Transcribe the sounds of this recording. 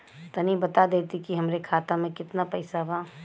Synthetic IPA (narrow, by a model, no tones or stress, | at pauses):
t̪ɐnibɐt̪ad̪eːt̪ikiɦɐmɾekʰaːt̪amẽkɪt̪napɐɪsabaː